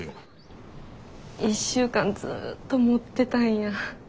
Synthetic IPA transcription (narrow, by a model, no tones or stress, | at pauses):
iɕːɨːkãnd͡zɨ̰t̪ːo̞mo̞t̪ːe̞t̪ãɰ̃jã